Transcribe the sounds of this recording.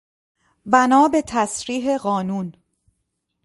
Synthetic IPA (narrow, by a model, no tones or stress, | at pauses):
bænɒːbe̞t̪ʰæsɾiːɦe̞ɢɒːnuːn